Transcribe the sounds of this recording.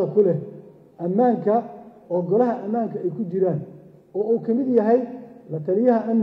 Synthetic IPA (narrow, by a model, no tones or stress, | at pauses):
ɐkʰʊlɛ | ʔɐmːaːŋkʰɐ | ɔːɡɔlɐɦɐʔɐmaːŋkʰɐɛjkʰʊt͡ʃɪɾaːn | ɔːuːkʰɐmɪd̪jɐɦɛjlɐt̪ʰɐlɪjɐɦɐʔɐn